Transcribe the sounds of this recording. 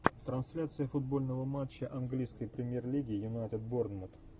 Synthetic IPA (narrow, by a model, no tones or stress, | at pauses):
t̪ɾɐnsʲlʲat̪sɨjəfʊd̪̚bo̞lʲnəvəmat͡ɕːəʔɐnɡlʲijskəjpɾʲɪmʲjerlʲiɡʲɪjʊnajt̪ɪt̪̚bornmʊt̪